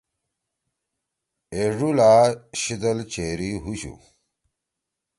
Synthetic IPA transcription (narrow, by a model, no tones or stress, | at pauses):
eʐulaɕid̪ɐlt͡ɕeɾiɦuɕṵ